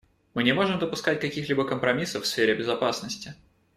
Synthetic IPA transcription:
mɨnʲɪmo̞ʐɨmd̪əpʊskat̚ʲkɐkʲixlʲibəkəmpɾɐmʲisəfsfʲeɾʲɪbʲɪzɐpasnəsʲtʲɪ

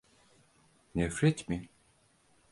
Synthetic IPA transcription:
nefɾet̪mi

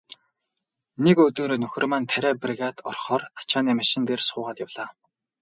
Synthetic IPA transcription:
nekɵt̪oːɾonɵxʲɪ̆rmant̪ʰæɾʲæːpriɣat̪ɔrχɔːrḁt͡ɕaːnimaʃɪ̆nt̪eːrsʊːʁaːt̪jawɮaː

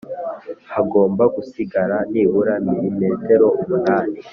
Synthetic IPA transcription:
haɡo̞ːmbaɡusiɡaɾaniːβuɾamiɾime̞ːte̞ɾo̞umunaːni

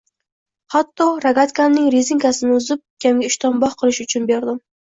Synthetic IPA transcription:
hat̪ːɒɾaɡat̪kʲʰanːɪŋɾezɪŋkasɪnɪʊzɪp̚kʲʰamɡʲaɪʃt̪ʰɒmbɒhqʰɨlˠɪʃʊt͡ʃʰʊnbeɾd̪ɪm

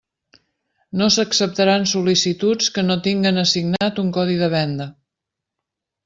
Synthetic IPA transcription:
nosəksəp̚t̪əɾansulisit̪ut͡skənot̪iŋɡənəsiɡnat̪uŋkɔðiðəβ̞ɛnd̪ə

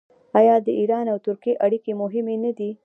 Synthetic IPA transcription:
ɑjɑd̪əiɾɑnawt̪ʊɾkieʔaɽikemʊɦɪmenad̪i

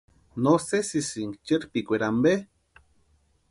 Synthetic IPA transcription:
nosesisiŋkt͡ʃeɾpikʷeɾambe

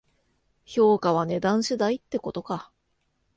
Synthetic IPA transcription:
ço̞ːkaβ̞ane̞d̪ãɰ̃ɕɨd̪ait̪ːe̞ko̞t̪o̞ka

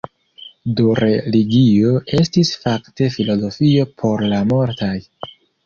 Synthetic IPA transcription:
duɾe̞liɡio̞e̞stisfakte̞filo̞zo̞fio̞pʰo̞ɾlamo̞ɾtaj

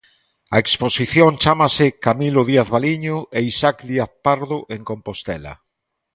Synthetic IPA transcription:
aeksposiθjõŋt͡ʃamasekamiloðiaθβaliɲoeisakd̪iaθpaɾðoʔeŋkõmpost̪ɛla̰

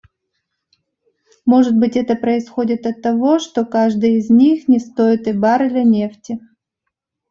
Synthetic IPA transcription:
mo̞ʐɨt̪̚bɨtʲɛt̪əpɾəɪsxo̞dʲɪt̪ɐt̪ːɐvo̞ʂt̪o̞kaʐd̪ɨjɪzʲnʲixnʲɪst̪o̞ɪt̪ɨbaɾɨd̪lʲɐnʲeftʲɪ

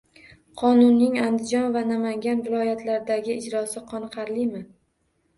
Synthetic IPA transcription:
qʰɒnʊnːɪŋand̪ɪd͡ʒɒnvanamaŋɡʲanvɪlˠɒjat̪ʰlaɾd̪aɡʲɪɪd͡ʒɾɒsɪqʰɒnqʰɑɾlɪmɪ

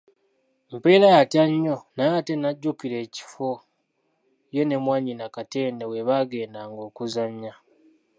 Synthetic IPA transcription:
mpeːlajatjaɲːonajate̞naɟːukiɾe̞ːci̥fo̞ | je̞nemwaːɲinakate̞ːnewe̞βaɡe̞ːndaŋɡo̞ːkuzaɲːa

